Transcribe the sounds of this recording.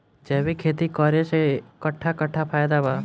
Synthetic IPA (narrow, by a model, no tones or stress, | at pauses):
d͡ʒebikʰeːt̪ikɔɾeʃekəʈʰːakəʈʰːapʰaːjd̪aba